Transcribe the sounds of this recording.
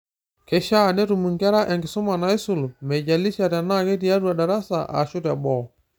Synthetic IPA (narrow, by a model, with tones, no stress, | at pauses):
kɛ˨ʃa˦˨nɛ˦ɾu˨mu˨ŋɡɛ˦ɾa˦ʔɛ˨ŋɡɪ˨sʊ˦ma˨na˨˦ɪ˦sʊ˨lmɛ˨ɟa˨li˦ʃa˨ta˨na˦ke˦t̬i˨ja˦ɾu˦a˨da˨ɾa˦sa̰˨ʔa̰˨ʃu˦ta˨bɔ˨